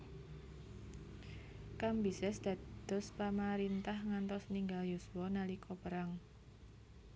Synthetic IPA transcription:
kambisɛsd̪̥a̤d̪̥ɔ̤spamaɾint̪ahŋant̪ɔsniŋɡaljuswɔnalikʰɔpəɾaŋ

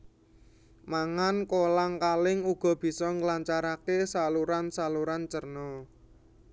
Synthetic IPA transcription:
maŋankolaŋkalɪŋuɡ̥ɔ̤b̥i̤sɔŋlaɲt͡ʃaɾakesaluɾansaluɾant͡ʃərnɔ

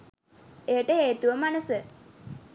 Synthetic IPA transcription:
ejəʈəeːt̪uʋəmanəsə

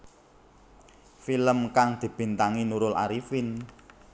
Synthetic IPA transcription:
filəmkaŋd̪̥i̤b̥i̤nt̪aŋinuɾʊla̰ɾifin

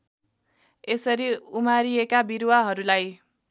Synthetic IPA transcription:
esʌɾiumaɾijekabiɾwaɦʌɾulaj

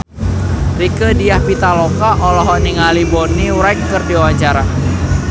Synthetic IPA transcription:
rikədijahpit̪alokaʔɔlɔɦɔniŋalibɔniuwɾajŋkərdiwawat͡ʃaɾa

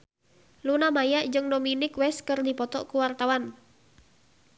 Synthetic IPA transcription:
lunamajaʔd͡ʒɨŋdominɪkwɛskɨrdipɔt̪ɔʔkuwart̪awan

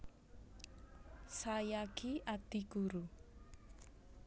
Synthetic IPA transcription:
sajaɡ̥iad̪̥iɡuɾu

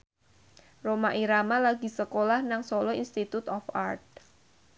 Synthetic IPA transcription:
romaʔiɾamalaɡ̥i̤səkolahnaŋsolɔinst̪it̪ut̪ɔfa̰rt̪̚

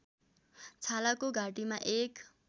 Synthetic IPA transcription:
t͡sʰalakoɡʱaʈimaʔek

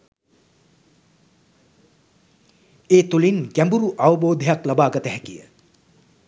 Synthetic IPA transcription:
eːt̪ulinɡæmbuɾuʔaʋəboːd̪ʱijaklabaːɡɐt̪əɦɛkijə̰

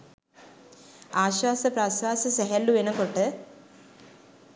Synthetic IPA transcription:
aːɕwaːsɐpɾaːswaːsɐseɦɐlːuʋenɐkoʈːɨ

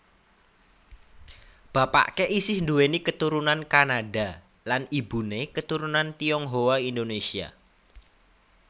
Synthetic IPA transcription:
b̥a̤pa̰ʔkeʔisɪhnd̪uwenikət̪uɾunankanaɖa | lanibṳnekət̪uɾunant̪iɔŋɦowaind̪onesia̰

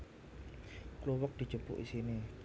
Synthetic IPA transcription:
kluwək̚d̥i̤̥d͡ʒ̥ṳbʊ̰ʔisini

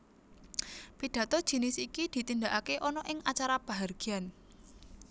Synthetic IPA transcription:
piɖ̥ä̤t̪ɔd̥ʒ̥i̤nɪsikid̪̥i̤t̪ind̪aʔakeʔɔnɔʔɪŋat͡ʃaɾab̥a̤ɦarɡ̥ian

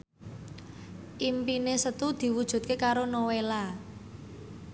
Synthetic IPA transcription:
ʔimpinesət̪ud̪̥i̤wud̥ʒ̥ṳt̪̚kekaɾonowela

